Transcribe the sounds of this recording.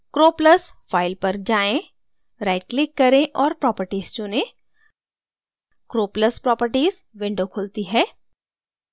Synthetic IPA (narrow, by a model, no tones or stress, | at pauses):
kɾoːpləsfaːɪlpɐɾd͡ʒaːẽ | ɾaːɪɖ̚klɪkːɐɾẽʔɔːɾpɾɔːpəɾʈiːz̥t͡ʃʊnẽ | kɾoːpləspɾɔːpəɾʈiːz | ʋɪ̃ɳɖokʰʊlt̪iɦɛː